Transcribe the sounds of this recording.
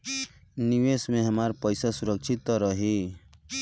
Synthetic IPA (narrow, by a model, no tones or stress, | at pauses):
niʋesmẽɦəmaɾpəjsasuɾəkt͡ʃʰit̪ɔɾʌɦi